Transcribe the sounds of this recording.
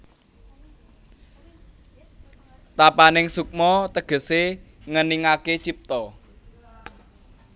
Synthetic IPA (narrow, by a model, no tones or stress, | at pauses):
t̪apanɪŋsuk̚mɔt̪əɡ̥ə̤se | ŋəniŋaket͡ʃip̚t̪ɔ